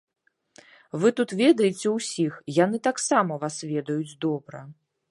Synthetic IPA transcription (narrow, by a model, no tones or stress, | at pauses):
vɨt̪ut̪vʲɛd̪ɐjɛt͡sʲɛwsʲixjan̪ɨt̪aksamɐvasvʲɛd̪ɐjud͡zʲd̪ɔbɾɐ